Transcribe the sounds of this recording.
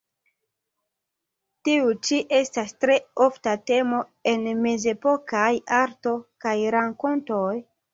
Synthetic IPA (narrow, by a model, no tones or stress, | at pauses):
tiut͡ʃiʔe̞stastɾe̞oftate̞mo̞ | e̞nme̞ze̞po̞kajaɾto̞kajɾaŋko̞nto̞j